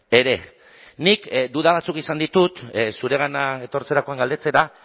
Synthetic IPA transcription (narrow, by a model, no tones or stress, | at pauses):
e̞ɾe̞ | nikd̪uðaβ̞at͡sukisand̪it̪ut̪suɾe̞ɣ̞anae̞t̪o̞ɾt͡se̞ɾako̞aŋɡald̪e̞t͡se̞ɾa